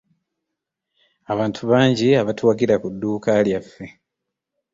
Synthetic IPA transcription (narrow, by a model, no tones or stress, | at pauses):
aβaːntʰuβaːɲɟiaβatwaːɡiɾakudːuːkaːljafːe̞